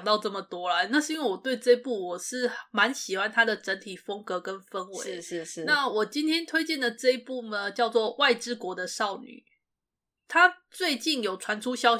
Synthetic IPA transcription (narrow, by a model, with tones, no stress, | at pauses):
ŋt̪ɑ˥˧ʊʈ͡ʂɤ˥˩mə˩t̪wɔ˥lə˨na˥˧ʂɻ̩˥˧i˥ŋwe˥˩wɔ˨˩t̪we˥˧ɪʈ͡ʂɤ˥˧i˦pu˥˩wɔ˨˩ʂɻ̩˥˩ma˧˦nɕi˨˩xwa˥nt̪ʰa˥d̪ə˨ʈ͡ʂə˧˦nt̪ʰi˨˩fə˥ŋkɤ˧˥kə˦nfə˦nwḛ˧˥˦ɪ˧na˥˩wɔ˨˩t͡ɕi˥nt̪ʰjɛ˥nt̪ʰwe˥ɪt͡ɕjɛ˥˩ndlə˩ʈ͡ʂɤ˥˧i˥pu˥˩nə˩t͡ɕjɑ˥˧ʊt͡swɔ˥˧wa˥˩ɪʈ͡ʂɻ̩˥kwɔ˧˥d̪ə˨ʂɑ˥˩ʊny̰˨˩˦ | t̪ʰa˥˦t͡swe˥˧ɪt͡ɕi˥˩njo˨˩ʊʈ͡ʂʰwa˧˥nʈ͡ʂʰu˥ɕjɑ˥ʊ